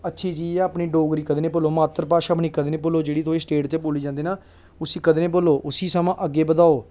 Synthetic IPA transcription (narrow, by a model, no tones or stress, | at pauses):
ətːʃʰiːd͡ʒiːɛaːpniːɖoːɡɾiːkəd̪eːnẽːpoːloːmaːt̪əɾpaːʃaːpniːkəd̪eːnẽːpoːloːd͡ʒeːɽiːt̪ʰoːeːsʈeːʈt̪eːpoːliːd͡ʒãːnd̪eːnaː | ʊsiːkəd̪eːnẽːpoːloːʔʊsiːsəmãːʔəɡːeːbəd̪aːoː